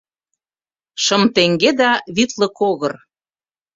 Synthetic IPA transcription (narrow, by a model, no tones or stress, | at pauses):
ʃɤmt̪eŋɡed̪ɑβit̪lɤ̆koɣɤr